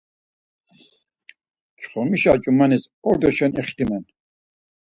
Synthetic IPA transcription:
t͡ʃʰχɔmiʃa̰t͡ʃʼumanis | ɔɾd̪ɔʃɛnɛχt̪ʰimɛn

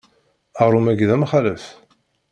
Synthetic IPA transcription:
əʁɾˤumæɡðæmχaləf

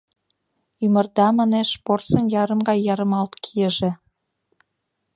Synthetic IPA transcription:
ymə̆rd̪ɑmɑneʃporsə̆njɑɾə̆mɡɑjːɑɾə̆mɑlt̪kʰijəʒĕ

